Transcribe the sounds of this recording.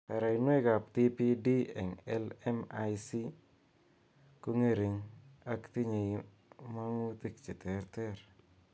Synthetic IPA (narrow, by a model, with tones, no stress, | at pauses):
pa˨ɾa˨i˨nwe˦ɡa˨pt̪i˦pi˦di˦ɛ˨ŋɛ˦lɛ˦ma˦jsi˦ | ko˦ŋe˦ɾi˨ɲa˨kt̪i˦ɲe˨i | ma˦ŋu˦t̪i˦kt͡ʃe˨t̪e˨ɾt̪ɛ˦ɾ